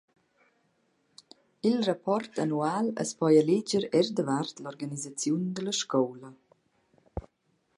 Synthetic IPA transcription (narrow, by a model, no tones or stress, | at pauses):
ilrapɔrt̪anuaːlə̰spɔjəled͡ʒəɾɛrd̪əvart̪lɔrɡanizat͡sjund̪ələʃkɔwlə